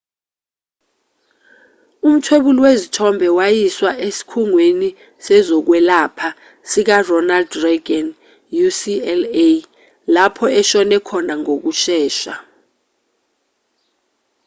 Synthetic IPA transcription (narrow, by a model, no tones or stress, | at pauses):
um̩tʰweɓulwezitʰɔmbʱɛwajiswaʔesi̥kʰuŋweni | sɛzɔk̬wɛlaːpʰa | sik̬arɔnaldreɡan | jusiɛle | lapʰɔɛʃɔnɛkʰɔnaŋok̬uʃɛːʃa